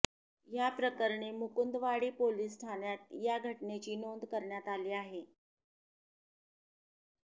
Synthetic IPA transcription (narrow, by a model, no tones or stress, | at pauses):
japɾəkəɾɳemukund̪ʋaɽiːpoliːs̬ʈʰanjat̪̚jaɡʱəʈnet͡ɕiːnond̪kəɾɳjat̪aliːaɦe